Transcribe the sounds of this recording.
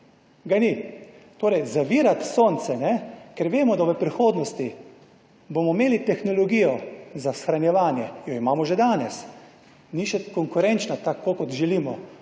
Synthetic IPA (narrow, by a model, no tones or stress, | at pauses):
ɡanit̪oːɾɛjzaʋiːɾat̪soːnt̪sɛnɛkɛɾʋeːmɔd̪aʋəpɾixoːd̪nɔst̪i | bomɔmeːlit̪ɛxnɔlɔɡijɔzasxɾanjɛʋaːnjɛjɔimaːmɔʒɛd̪aːnɛs | niʃɛkɔŋkʊɾɛnt͡ʃnat̪akːokɔt̪ʒɛliːmɔ